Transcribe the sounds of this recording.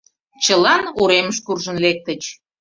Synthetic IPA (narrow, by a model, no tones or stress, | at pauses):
t͡ɕəlɑnuɾeməʃkurʒənlek̚t̪ət͡ɕ